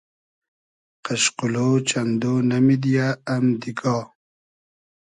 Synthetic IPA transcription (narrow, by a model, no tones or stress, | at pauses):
qaʃqulot͡ʃand̪onamid̪ijaːmd̪iɡɑː